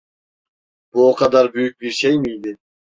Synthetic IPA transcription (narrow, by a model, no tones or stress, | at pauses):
b̥uoqʰɑd̪ɑɾbyjyk̚biɾʃejmijd̪ɪ